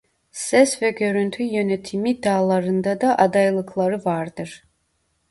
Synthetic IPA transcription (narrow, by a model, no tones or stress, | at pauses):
sɛsvɛɟø̞ɾynt̪ʰyjø̞nɛt̪ʰimid̪aːlˠaɾɯnd̪ad̪aʔad̪ajlˠɯkʰlˠaɾɯvaɾd̪ɯɾ̥